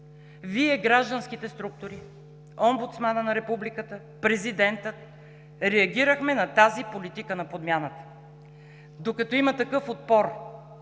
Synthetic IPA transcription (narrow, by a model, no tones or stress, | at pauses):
viɛɡɾaʒd̪ɐnsk̟it̪ɛst̪ɾuk̚t̪ʊɾi | ombut̪smanənɐɾɛpublikət̪ə | pɾɛzid̪ɛnt̪ət̪ | ɾɛɐɡʲiɾəxmɛnɐt̪azipolit̪ikənɐpod̪mʲjanət̪ə̥ | d̪okɐt̪ɔimɐt̪ɐkɤfot̪̚pɔɾ